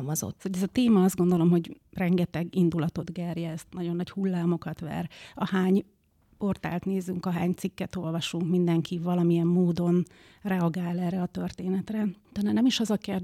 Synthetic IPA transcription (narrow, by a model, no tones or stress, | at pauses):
mɒzo̰t̪ːsoɟɛzɒt̪eːmɒɒzd̪ɡo̞nd̪o̞lo̞mho̞ɟ | rɛŋɡɛt̪ɛɡind̪ulɒt̪o̞d̪ɡɛrjɛɛst̪nɒɟo̞nːɒɟhulːaːmo̞kɒt̪ʋɛ̰rɒhaːɲ | po̞rt̪a̰ːlt̪neːzyŋkɒɦaːɲt̪sikːɛt̪o̞lvɒʃuŋkmind̪ɛŋkʰivɒlɒmiɛmːoːd̪o̞n | rɛɒɡaːlɛːrɛɒt̪ø̞rt̪eːnɛt̪rɛt̪ɛnːɛnɛmiʃɒzɒkerd̪